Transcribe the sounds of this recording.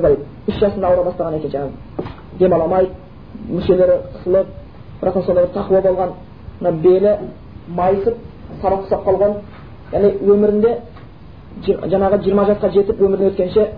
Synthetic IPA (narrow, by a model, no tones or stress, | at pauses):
b̪ɑj | ʏsʒɑsənd̪ɑːwɾɑbɑst̪ɑʁɑne̞kʲe̞nʒɑnɑ | d̪e̞mɑlˠɑmɑjd̪ | mʏʃe̞le̞ɾɪqʰə̥səlˠəq̚ | bɪɾʔɑ̰qt̪ɑnsod̪ɑɾd̪ɑt̪ʰɑqəwɑbo̞lˠʁɑn | mənɑwbelɪ | mɑjsəp̚sɑɾɑp̚q̪ʰə̥sɑp̚qʰɑlˠʁɑn | jæʁnewɵmɪɾɪnd̪e̞ | ʒɑɴɑʁəʒijəɾmɑʒɑsqɑʒe̞t̪ɪpwɵmɪɾɪnewɵt̪kʲe̞nnʃe̞